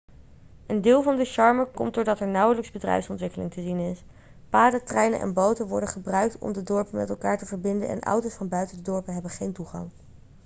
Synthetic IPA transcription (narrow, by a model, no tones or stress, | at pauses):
ʔəndɪːlˠvɑndəʃɑɹməɹkɔ̰mt̚dʊːɹdɑtɛɹnʌwələkzbədrɛ̰jfsɔntʋɪkəlɪŋtəzinɪs | paːdətrɛjnə̰ʔɛ̰nbowtənʋɔɹdəχəbrœɥk̚tʰɔ̰mdədɔɹpəmɛ̰tɛlˠkaːɹtəvəɹbɪndə̰ʔɛ̰nʔʌ̰wtosfɑnbœɥtəndədɔɹpəɦɛbəχejntuχɑ̰ŋ